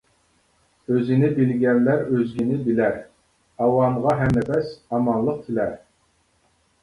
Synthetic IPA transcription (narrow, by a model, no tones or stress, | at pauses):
øzɪnɪbɪlɡʲɛnlæɾøzɡʲinɪbɪlæɾ | ɑwɑnʁɑɦɛmːɛpʰɛsɑmɑnlˠəq̚t̪ʰɪlæɾ